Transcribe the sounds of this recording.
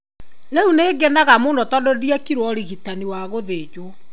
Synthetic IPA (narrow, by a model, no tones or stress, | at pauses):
neuneːɡɛnaɣamoːndɔtɔdodiakiɾwɔɾiɣitaniwaɣoðed͡ʒwo